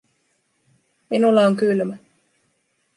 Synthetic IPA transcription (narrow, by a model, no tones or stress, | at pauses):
minulːɑoŋkylmæ